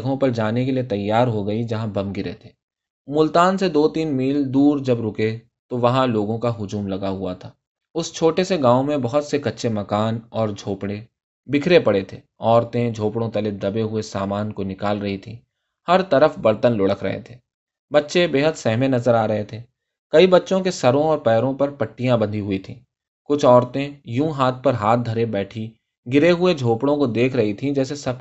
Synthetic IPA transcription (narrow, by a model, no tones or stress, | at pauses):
ɡʱõpɐɾd͡ʒaːnek̬eliet̪ɐjːaːɾɦoɡɐid͡ʒɐɦãbɐ̃mɡɪɾḛt̪ʰeː | mʊlt̪aːnsed̪oːt̪iːnmiːld̪uːɾd͡ʒɐbɾʊke | t̪oʋɐɦãloːɡõkaɦʊd͡ʒuːmlɐɡaɦʊat̪ʰaː | ʊst͡ʃʰoːʈeseɡãːõmẽbɐɦʊt̪sekɐtːʃʰemɐkaːnɔːɾd͡ʒʱoːpɽe | bɪkʰɾepɐɽet̪ʰḛːɔːɾt̪ẽd͡ʒʱoːpɽõt̪ɐled̪ɐbeɦʊesaːmaːnkonɪkaːlɾɐɦit̪ʰḭ̃ | hɐɾt̪ɐɾəfbɐɾt̪ənlʊːɽəkʰɾɐ̰ɦḛt̪ʰeː | bɐtːʃebeːɦəd̪sɛɦmenɐzəɾaːɾɐɦet̪ʰeː | kɐibɐtːʃõkesɐɾõɔːɾpɛːɾõpɐɾpɐʈːijãbɐ̃nd̪ʱiɦʊit̪ʰḭ̃ː | kʊt͡ʃʰɔːɾt̪ẽjũːɦaːt̪̚ʰpɐɾɦaːt̪̚ʰd̪ʱɐɾebɛːʈʰi | ɡɪɾeɦʊed͡ʒʱoːpɽõkod̪eːkʰɾɐɦit̪ʰĩd͡ʒɛːsesɐb̚